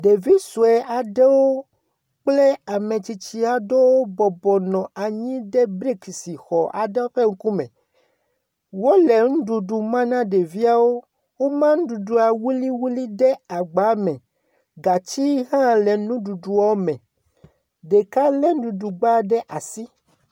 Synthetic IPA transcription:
ɖe˨vi˦su˨ɛ˨a˨ɖe˦wo˦ | k͡ple˦a˨mẽ˨t͡ɕi˨t͡ɕi˦a˨do˦wo˦bɔ˨bɔ˨nɔ̃˨a˨ɲĩ˦ɖe˦bɾi˦ksi˨xɔ˨ʔa̰˨ɖe˦wo˦ɸe˦ŋ̩˦ku˦mɛ̰̃˨ | wo˦le˨ŋ̩̃˦ɖu˨ɖu˨mã˦nã˦ɖe˨vi˦a˦wo˦ | wo˦mã˦ŋ̩˦du˨du˨a˨wu˦li˦wu˦li˦ɖɛ˦a˨ɡ͡ba˨˦mɛ̃˨ | ɡa˨t͡ɕi˦ɦã˦le˨nũ˦ɖu˨ɖu˨ɔ˦mɛ̃˨ | ɖe˨ka˦le˦ŋ̩˦du˨du˨ɡ͡ba˦ɖɛ˦ʔa˨si˦

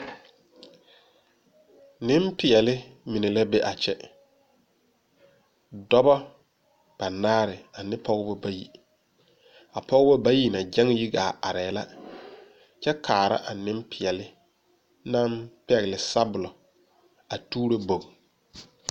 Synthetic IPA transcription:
nɪ˦mpɪ˨ɛ˨lɪ˦mi˨ne˨la˦bɛ˦ʔa˨t͡ʃɛ˦ | dɔ˦bɔ˦ | b̥a˨naː˦ɾɪ˨a˨nɪ˦pɔ˦ɣbɔ˦ba˦ji˨ | a˨pɔ˦ɣɪ˦bɔ˦ba˦ji˦na˨d͡ʒa˦ŋ˦ji˦ɡaː˨a˨ɾɛː˨la˦ | t͡ʃɛ˦kʰaː˨ɾa̰˦ʔa˨nɪ˦mpʰɪ˨ɛ˨lɪ˦ | na˦mpɛ˦˨ɣɪ˨lɪ˨sa˦bʊ˨lɔ˨ | a˨tuː˦ɾo˦bo˨ŋ˨

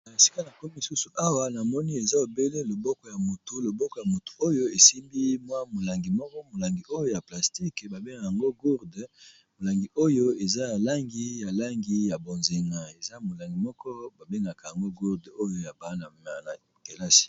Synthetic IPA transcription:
a˨e˨si̥˦ka˦na˨ko˦m˦i˨su˦su˨ʔa˦wa˦na˨mɔ˦ni˦e˨za˦o˨be˦le˦lo˨bɔ˦kɔ˨ja˨mo˨to˨lo˨bɔ˦kɔ˨ja˨mo˨tu̥˨o˦jo˦e˨si˦mbi˦mwa˦mo˨la˨ŋɡi˨mɔ˦kɔ˦mo˨la˨ŋɡi˨ʔo˦jo˦ja˨pla˨sti˦kba˨be˦ŋɡa˨ja˨ŋɡo˦ɡu˦ʁd | mo˨la˨ŋɡi˨o˦jo˦e˨za˦ja˨la˦ŋɡi˨ja˨la˦ŋɡi˦ja˨bo˨nze˨ŋa˨e˨za˦mo˨la˨ŋɡi˨mɔ˦kɔ˦ba˨be˦ŋɡa˨ka˨ja˨ŋɡo˦ɡu˦ʁdo˦jo˦ja˨ba˦na˨ma˨na˨ | ke˨la˦si̥˨

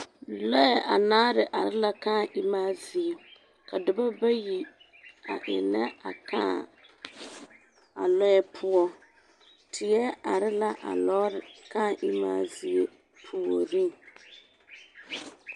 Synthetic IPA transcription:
lɔ˦ɛ˨ʔa˨naː˦ɾɪ˨ʔa˨ɾɪ˦la˦kaː˦˨ʔɪ˦maː˦zɪ˨e˨ | kʰa˨dʊ˨ba˦ba˦ji˨ | a̰˨ʔɪ̰˨na˦a˨kaː˦ | a̰˨lɔ˦jɛ˦pʰʊ˦ɔ˦ | tʰɪ˨ɛ˦a˨ɾɪ˦la˦ʔa̰˨lɔː˦ɾɪ˨ka˦˨ʔɪ˦ma̰ː˦˨zɪ˨e˦ | pʰu˦o˦ɾi˦ŋ˨

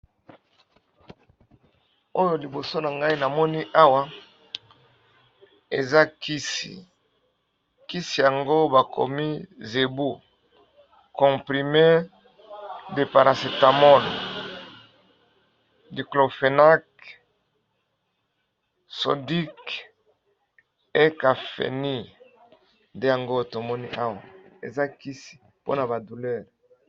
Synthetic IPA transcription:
o˦jo˨li˨bo˨so˦na˨ŋɡa˦i˦na˨mɔ˦ni˦ʔa˦wa˦ | e˨za˦ki˦sḭ˨ | ki˦si˨ja˨ŋɡo˦ba˨kʰo̰˨mi˦ze˨bu˦ | kɔ̃˨pʁi˨me˦ | de˨pa˨ɾa˨se˨ta˨mɔ˦n˨ | di˨klo˨fe˨na˦k | so̰˨di˦k | e˦ka˨fḛ˨ni˦ | nde˦ja˨ŋɡo˦to˨mɔ˦ni˦ʔa˦wa˨ḛ˨za˦ki˦si̥˨ | po˦na˨ba˨du˨lɛ˦ʁ

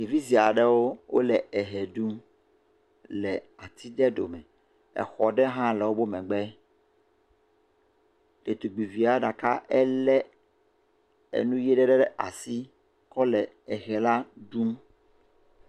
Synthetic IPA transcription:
ji˨vi˦zi˨a˨ɖɛ˦wo˦wʔo̰˦lɛ˨ɛ˨ɦɛ˨ɖu˦m | lɛ˨a˨t̪ʰi˦ɖɛ˦ɖo˨mɛ̃˨ | ɛ̰˨xɔ˨ɖɛ˦ɦã˦lɛ˨wo˦bo˦mɛ̃˨ɡ͡bɛ˦ | e˨t̪u˨ɡ͡bi˨vi˨˦a˦ɖa˨ka˦ɛ˦lɛ˦ | ḛ˨nũ˦jɛ˦ɖɛ˦ɖɛ˦ɖɛ˦ʔa̰˨si˦ | kɔ˦lɛ˨ | ɛ˨xɛ˨la˦ɖu˦m

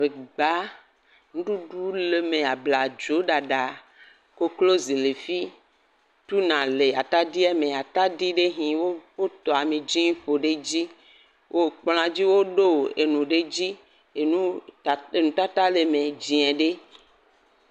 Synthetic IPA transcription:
ve˨ɡ͡ba˦ | ŋũ˦ɖu˦ɖu˦le˨mẽ˨a˨bla˨d͡ʒo˨˦ɖa˨ɖa˨ | ko˦klo˦zi˨le˨fi˦ | t̪u˦nã˨le˨a˨t̪a˦di˦ɛ˦mẽ˨a˨t̪a˦di˦ɖe˦ɦĩ˨wo˦ɸo˦t̪ɔ˨a˨mẽ˨d͡ʒi˦ɲĩ˦ɸo˨ɖe˦d͡ʑi˦ | wʔo˦k͡pl̃ã˦d͡ʑi˦wo˦ɖo˦˨e˨nũ˨ɖe˦d͡ʑi˦ | e˨nũ˦˨e˨nũ˨˦t̪a˦t̪a˦le˨mẽ˨d͡ʑi˨ɛ̃˨ɖe˦

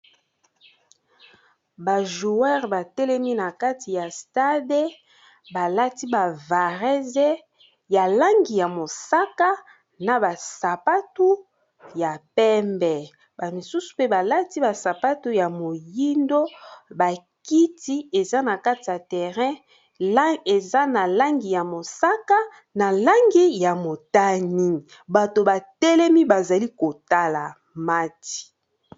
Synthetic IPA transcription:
ba˨ʒu˨ɛ˦ʁba˨tɛ˦lɛ˦mi˦na˨ka˦ti˨ja˨sta˦de˦ | ba˨la˦ti˦ba˨va˨ʁɛ˦zɛ˦ | ja˨la˦ŋɡi˨ja˨mo˨sa˦ka˦ | na˨ba˨sa˨pa˦tu˦ | ja˨pɛ˦mbɛ˨ | ba˨mi˨su˦su̥˨pe˦ba˨la˦ti˦ba˨sa˨pa˦tu˦ja˨mo˨ji˦ndo˦ba˨ | ki˦ti˦e˨za˦na˨ka˦ti˨ja˨tɛ˨ʁɛ̃˦ | e˨za˦na˨la˦ŋɡi˨ja˨mo˨sa˦ka˦ | na˨la˦ŋɡi˦ja˨mo˨ta˦ni˦˨ | ba˨to˨ba˨tɛ˦lɛ˦mi˦ba˨za˨li˦ko˨ta˦la˨ | ma˦ti̥˨

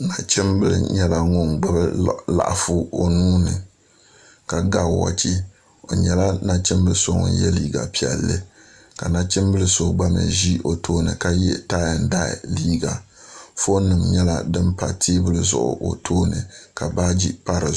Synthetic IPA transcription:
na˨t͡ʃɪ˦mbɨ˦lɨ̰˨ɲɛ˦la˨ŋʊ˦ŋɡ͡ba˦bɨ˦la̰˨ʔfu˦o˨nuː˦nɨ˨ | ka˨ɡa˦˨wa̰˨t͡ʃi˦ | o˨ɲɛ˨la˦na˨t͡ʃɪ˦mbɨ˦lɨ˦˨so˦ŋʊ̰˨njɛ˦liː˦ɡa̰˨pi˦˨ɛ˨lːɨ˦ | ka˨na˨t͡ʃɪ˦mbɨ˦lɨ˦so˦ɡ͡ba˦mɨ̰˨ʒi˦ʔo˨tʰoː˦nɨ˨ka˦jɛ˦taː˦ja˨n˨da̰˦˨liː˦ɡa˨ | fo˦nɨ˨mɲɛ˦la̰˦dɨ˦mpa˨tʰeː˦bɨ˦lɨ˨zʊ̰˨ʔʊ̰˨ʔo̰˨tʰoː˦nɨ̰˨ka˨ba˦d͡ʒi˦pa˦ɾɨ˨

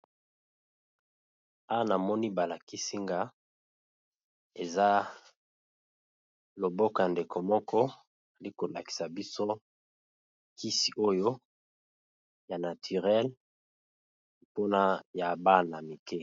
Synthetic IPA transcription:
a˦a˦na˨mɔ˦ni˦ba˨la˨ki˦si˦ŋɡa˦ | e˨za˦ | lo˨bɔ˦kɔ˨ja˨nde˨kʰo˨mɔ˦kɔ˦ | a˨li˦ko˨la˨ki̥˨sa˨bi˦so˦ | kʰi˦si˨ʔo˦jo˦ | ja˨na˨tʰy˨ʁɛ˦l | po˦na˦ja˨ba˦na˨mi˨ke˦

